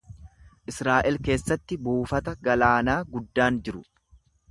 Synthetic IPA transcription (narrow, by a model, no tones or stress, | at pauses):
ʔɪsɾaːʔɛlke̞ːsːɐt̪ːɪbuːfɐt̪ɐɡɐlaːnaːɡʊd̪ːaːnd͡ʒɪɾʊ